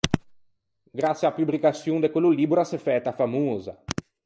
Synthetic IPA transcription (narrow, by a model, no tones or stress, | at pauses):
ɡɾat̪sjapubɾikasjund̪ekwelːuliːbuɾasefɛːt̪ːafamoːza̰